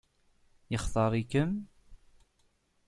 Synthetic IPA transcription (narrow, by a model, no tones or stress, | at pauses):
jəχθɑɾˤikəm